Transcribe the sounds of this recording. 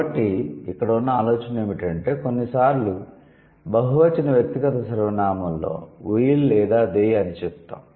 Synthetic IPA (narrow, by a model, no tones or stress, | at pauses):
ɐʈːiikːɐɽɐunːɐaːloːt͡ʃɐneːmiʈɐɳʈe̞ːko̞nːisaːɾlu | bɐɦuʋɐt͡ʃɐnɐʋjɐk̚t̪iɡɐt̪ɐsɐɾɐʋɐnaːmɐllo̞̰ːʋujillɛːd̪aːd̪ejɐnit͡ʃɛpt̪ːa̰ːm